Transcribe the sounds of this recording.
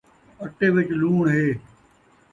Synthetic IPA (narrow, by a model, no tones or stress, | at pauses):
əʈeːʋɪt͡ʃluːɳɦeː